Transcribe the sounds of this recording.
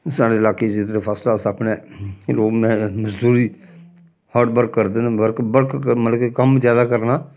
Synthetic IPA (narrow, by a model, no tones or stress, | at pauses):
saːɽeːɪlaːkeːd͡ʒɪt̪ɾeːpʰaːslaːsapneːloːmɛ̃ːməzd̪uːɾiː | həːɾɖ̚bəɾkːəɾd̪nbəɾkbəɾkmələkkəmzjaːd̪aːkəɾnaː